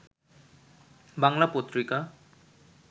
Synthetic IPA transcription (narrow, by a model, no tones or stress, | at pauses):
baŋlapot̪ɹika